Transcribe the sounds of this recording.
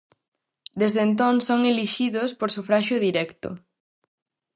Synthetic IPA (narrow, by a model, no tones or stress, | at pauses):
d̪ezðent̪̬oŋsoŋeliʃiðospoɾsufɾaʃʊðiɾɛkt̪ʊ̰